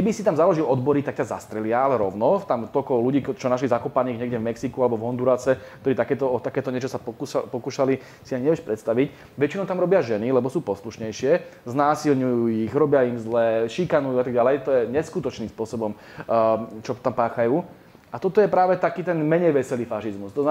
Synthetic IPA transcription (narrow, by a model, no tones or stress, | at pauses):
kɛbisit̪amzalɔʒilɔd̪bɔɾit̪akcaza̰st̪ɾɛlɪaalɛɾɔʊnɔt̪amt̪ɔlkɔluɟiːt͡ʃɔnaʃlizakɔpaniːɣɲɛɡɟɛvmɛksikualɛbɔvɦɔnd̪uɾasɛkkt̪ɔɾiːt̪akɛːt̪ɔɔt̪akɛːt̪ɔɲɛt͡ʃɔsapupɔkuːʃali | siaɲiɲɛʋɛʃpɾʔɛt̪st̪aʋic | ʋɛt͡ʃinɔʊt̪amɾɔbɪaʒɛnilɛbɔsuːpɔsluʃɲɛjʃɪɛznaːsilɲujuːiɣɾɔbɪaimzlɛːʃikanujuat̪aɡɟalɛjt̪ɔjɛɲɛskut̪ɔt͡ʃniːmspʊɔsɔbɔm | t͡ʃɔt̪ampaːxajuː | at̪ɔt̪ɔjɛpɾaːʋɛt̪akiːt̪ɛnmɛɲɛjʋɛsɛliːfaʃizmust̪ɔzna